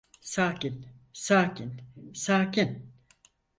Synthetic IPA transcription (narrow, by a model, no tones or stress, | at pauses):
saːkin | saːkʰinsaːkin